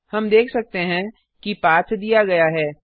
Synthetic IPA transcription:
hɐmd̪eːkʰsɐk̚t̪eɦɛ̃ | kipaːt̪ʰd̪ijaɡɐjaɦɛː

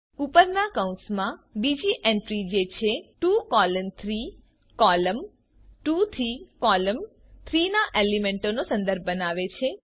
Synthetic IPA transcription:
upəɾnakəũsmãbid͡ʒiʔeɳʈɾid͡ʒet͡ʃʰeʈukɔlənt̪ʰɾi | kɔləm | ʈut̪ʰikɔləm | t̪ʰɾinaʔelimeɳʈonosə̃nd̪əɾb̚ʱbənaʋet͡ʃʰe

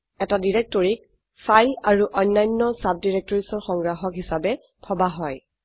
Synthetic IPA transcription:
ɛtadiɹɛk̚tɔɹik̚ | fʰajlaɹuʔɔjnːajnːɔsab̚diɹɛk̚tɔɹisɔɹxɔŋɡɹaxɔkɦisabɛ | kʰɔbaɦɔj

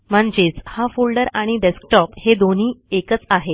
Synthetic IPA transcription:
m̤əɳd͡ʑet͡shafolɖəɾaɽ̃iɖesk̚ʈɔphed̪on̤iːekət͡saɦe

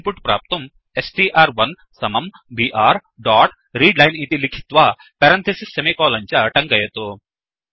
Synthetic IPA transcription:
puʈpɾa̰ːp̚t̪ɐm | esʈiːʔaːɾʋɐn | sɐmɐm | biːʔaːɾ | ɖaːʈ | ɾiːɖlɐjnit̪ilikʰi̥t̪ʋaː | pɐɾɐnt̪ʰɐsisɐmekɔːlɐɲt͡ʃɐʈɐŋɡɐjɐt̪o

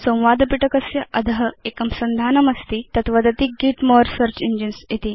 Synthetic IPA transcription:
sõw̃ʋad̪ɐpiʈɐkɐsjɐʔɐd̪ʱəɦəekɐmsɐnd̪ʱaːnɐmɐst̪iːt̪ɐt̪ʋɐd̪ɐt̪iːk̚ɡiːʈmoɾsəɾt͡ɕind͡ʑinsjet̪iː

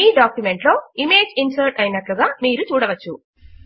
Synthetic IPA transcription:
iːɖaːkjume̞ɳʈlo̞ːime̞ːd͡ʒinsɐɾʈɐjnɐʈluɡaːmiːɾut͡ʃuːɽɐʋɐt͡ʃːu

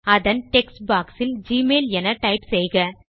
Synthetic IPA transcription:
ɐðɐnʈɛksbaːksɪld͡ʒiːmeːlɛnɐʈɐɪpsɛjɣɐ

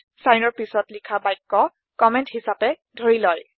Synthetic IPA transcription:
sajnɔɹpisɔtlikʰabajkːɔ | kɔmɛnthisapɛ | dʱoɹilɔj

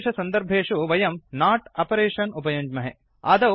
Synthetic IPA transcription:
ʂɐsɐnd̪ɐɾbʱeːʂuʋɐjɐmnaːʈɐpɐɾeːʂɐnupɐjuɲd͡ʒmɐɦe | ɐ̰d̪ɐ

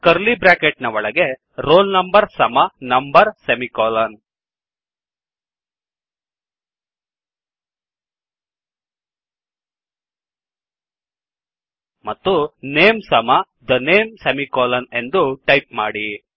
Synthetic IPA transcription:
kɐɾlibɾaːkeʈnɐʋɔɭɐɡe | ɾoːlnɐmbɐɾsɐmɐnɐmbɐɾsemikoːlɐn | mɐt̪ːuneːmsɐmɐ | d̪ɐneːmsemikoːlɐne̞nd̪uʈɐjp̚maːɽi

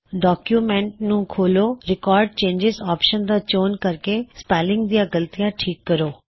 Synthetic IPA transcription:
ɖɔːkjuːmɛ̃ɳʈ̚nũːkʰoːloːɾɪkɔːɾɖ̚t͡ʃẽːɲd͡ʒɪzɔːpʃənd̪aːt͡ʃoːnkəɾkespɛːlɪ̃ŋɡ̚d̪ɪjãːɡəlt̪ijãːʈʰiːkːəɾoː

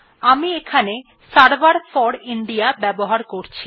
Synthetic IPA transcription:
amiekʰane | saɾbaɾfɔɽiɳɖijabɛboɦaɾkoɾt͡ɕʰi

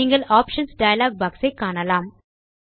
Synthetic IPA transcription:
iːŋɡɐɭaːpʂɐnsɖɐjɐlaːɡ̚baːksɐɪkːaːɳɐlaːm

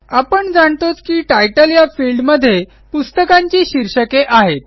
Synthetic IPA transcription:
apəɳd͡zaɳt̪ot͡skiːʈajʈəljafilɖməd̪ʱːje | pust̪əkãɲt͡ɕiːɕiɾɕəkeʔaɦet̪̚

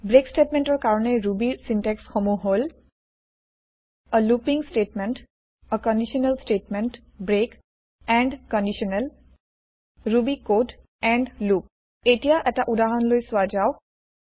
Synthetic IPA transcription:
bɹekstetmɛntɔɹkaɹɔnɛɹubisintɛksxomuɦol | əlupiŋstetmɛnt | əkɔndisiɔnɛlsʈetmɛnt | bɹek | ɛɳɖkɔndisɔnɛl | ɹubikod | ɛnɖlup̚ | etijaʔɛtaʔudaɦɔnlojsʊwazaʊ

